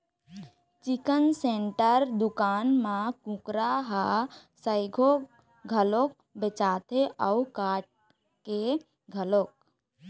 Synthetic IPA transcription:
t͡ʃɪkənseɳʈəɾd̪ʊkaːnmãkũkɾaɦasəɪɡʱo | ɡʱəloːk̚ | bet͡ʃaːt̪ʰeʔəukaːʈ̚ | ke | ɡʱəloːk̚

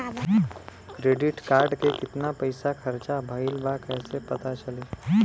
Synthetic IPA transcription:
kɾeːɖɪʈkaːɾɖkekɪt̪napɐɪsakʰɐɾt͡ʃabʱɐɪlbaːkɛːsepɐt̪at͡ʃɐleː

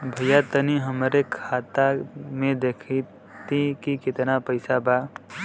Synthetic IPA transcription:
bʱəjat̪əniɦəmɾekʰat̪amẽd̪eːkʰi | t̪ikikɪt̪napəɪsaba

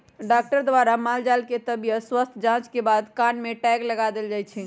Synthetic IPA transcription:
ɖak̚ʈəɾd̪ʋaɾamald͡ʒalket̪əbijəswəst̪ʰd͡ʒãt͡ʃkebad̪kanmeʈɛɡləɡad̪eld͡ʒajt͡ʃʰɛ

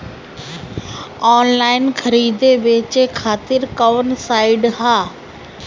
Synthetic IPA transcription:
ɔːnlaːɪnkʰəɾiːd̪eʋeːt͡ʃekʰaːt̪ɪɾkəʋənsaːɪɖɦaː

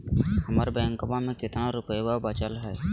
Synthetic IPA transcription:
hɐmaɾbɛːə̃ŋkəbamẽkɪt̪naɾʊpəjbabat͡ʃəlɦɛː

